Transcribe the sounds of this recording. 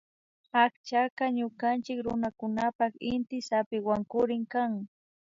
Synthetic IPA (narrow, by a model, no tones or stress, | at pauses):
akt͡ʃakaɲʊkant͡ʃɪkɾʊ̰nakʊnapaχɪnt̪ɪsapɪwaŋkʊɾɪŋkaŋ